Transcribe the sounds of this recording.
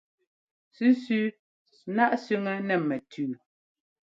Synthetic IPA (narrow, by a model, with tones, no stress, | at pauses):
sʉ˦sʉ˦ | na˦ʔsʉ˦ŋɛ˦nɛ˨mɛ˨tʰʉː˨